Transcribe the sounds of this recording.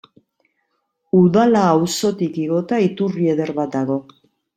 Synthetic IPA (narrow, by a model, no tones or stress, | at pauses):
uðalaːwso̞t̪ikiɣo̞t̪ait̪urie̞ðe̞ɾβat̪̚d̪aɣ̞o̞